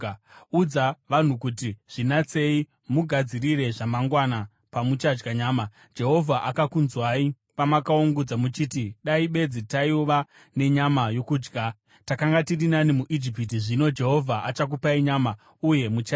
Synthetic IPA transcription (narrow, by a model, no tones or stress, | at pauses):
ud͡zaʋan̤ukut̬iʐ̥inat͡se̞i | muɡʱad͡zirire̞ʐamaŋɡwana | pamut͡ʃad͡ʒɡaɲaːma | d͡ʒe̞ɦo̞vʱaʔakakunzwai | pamakaoŋɡud͡zamut͡ʃiːtiɗaiɓe̞d͡zitaiuʋa | ne̞ɲamajo̞kuːd͡ʒɡʱa | takaŋɡatirinanimuʔid͡ʒipit̬iʐino̞d͡ʒe̞ɦo̞vʱaʔat͡ʃak̬upaiɲama | uje̞mut͡ʃa